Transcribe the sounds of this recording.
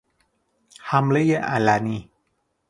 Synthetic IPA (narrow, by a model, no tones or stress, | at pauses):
hamləjəʔa̰lani